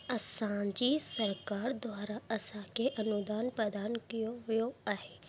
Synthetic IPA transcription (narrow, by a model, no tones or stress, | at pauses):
ɐsãːɲd͡ʒisəɾkaːɾd̪waːɾaɐsakeʔɐnud̪aːnpɾəd̪aːnkijoʋjoaɦeː